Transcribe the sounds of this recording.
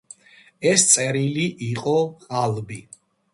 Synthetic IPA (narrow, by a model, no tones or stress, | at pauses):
ɛst̪sʼɛɾiliʔiqʼɔχʼalˠbi